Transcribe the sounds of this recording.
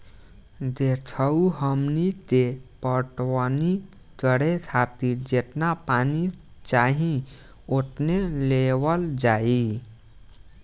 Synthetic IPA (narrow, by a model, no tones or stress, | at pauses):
d̪etʰəuɦəmnit̪epəʈwəni | t͡ʃəɽesʰat̪iɾd͡ʒet̪napanit͡ʃaɦĩ | ot̪nelewəld͡ʒai